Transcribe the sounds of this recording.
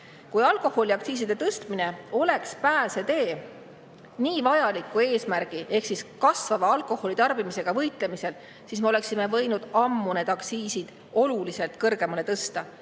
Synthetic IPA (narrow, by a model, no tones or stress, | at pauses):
kujɑlko̞ho̞lʲiɑk̪̚siːs̬id̪̥e̞t̪ɤst̪mine̞o̞le̞kspæːse̞t̪e̞ː | niːvɑjɑlikːˑue̞ːsmærɡ̥iʔe̞hksiskɑsvɑvɑɑlkˑo̞ho̞lit̪ɑrb̥imise̞ɡ̥ɑvɤjt̪ˑle̞mise̞l | sisme̞o̞le̞ksime̞vɤjnud̪̥ɑmːune̞ːd̪̥ɑksiːsid̪̥ | o̞lulise̞lt̪kɤrɡ̥e̞mɑle̞t̪ɤst̪ɑ